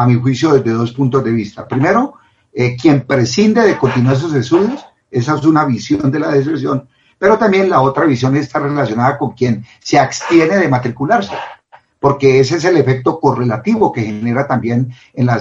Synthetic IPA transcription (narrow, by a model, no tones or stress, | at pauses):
amixwisjo̞ðezd̪e̞ðo̞spunt̪o̞zd̪e̞βist̪apɾime̞ɾo̞ | ekje̞mpɾe̞sind̪e̞ðe̞ko̞nt̪inwaɾs̬us̬est̪uðjos | e̞saes̬unaβisjo̞nd̪e̞laðespɾes̬jo̞n | pe̞ɾo̞t̪ambje̞nlao̞t̪ɾaβisjo̞ne̞st̪are̞lasjo̞naðako̞ŋkje̞n | seakst̪je̞neðe̞mat̪ɾikulaɾse | po̞ɾke̞es̬ees̬e̞le̞fe̞k̚t̪o̞ko̞re̞lat̪iβo̞ke̞xe̞ne̞ɾat̪ambje̞n | enlas